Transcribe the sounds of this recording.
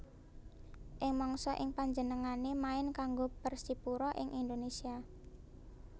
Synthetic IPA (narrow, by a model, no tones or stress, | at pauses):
ʔɪŋmɔŋsɔʔɪŋpaɲd͡ʒənəŋanemaɪnkaŋɡopərsipuɾɔʔɪŋʔind̪onesia